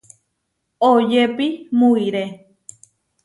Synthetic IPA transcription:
ojepimuiɾe

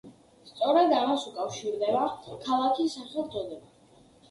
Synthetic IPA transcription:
st̪sʼɔɾad̪amasukʼafʃiɾd̪ɛbakʰalˠakʰisaχɛlˠd̪ɔd̪ɛba

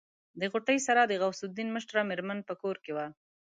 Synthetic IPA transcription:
d̪əɣʊʈəjsaɾad̪əɣawsʊd̪inməʃʈɾɑmɪɾmanpəkoɾkewa

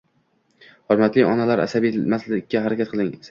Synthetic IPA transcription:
hɒɾmat̪lɪɒnalaɾa̰sabimaslɪkʲːahaɾakʲat̪̚qʰɨlˠɪŋs

